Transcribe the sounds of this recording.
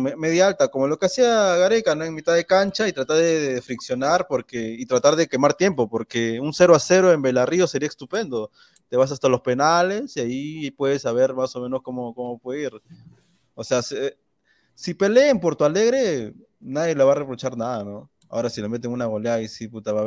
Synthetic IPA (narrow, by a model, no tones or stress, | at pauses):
meme̞ðjaalt̪ako̞mo̞lo̞ke̞asiaɣaɾekanoe̞ŋmit̪aðe̞kant͡ʃait̪ɾat̪aɾðeðfɾiksjo̞naɾpo̞ɾkeit̪ɾat̪aɾðe̞ke̞maɾt̪je̞mpo̞po̞ɾke̞unse̞ɾoase̞ɾoe̞mbe̞lario̞se̞ɾiaest̪upe̞nd̪o̞ | t̪e̞βas̬ast̪alo̞spe̞nale̞siaipwe̞ðesaβe̞ɾmaso̞mẽ̞no̞skomo̞ko̞mo̞pweðeiɾ | ose̞ase | sipe̞le̞ːmpo̞ɾt̪uale̞ɣɾe̞ | naðje̞loβare̞pɾo̞t͡ʃaɾnaðano̞ | a̰o̞ɾasilome̞t̪eŋunaɣoleaaisiput̪aβa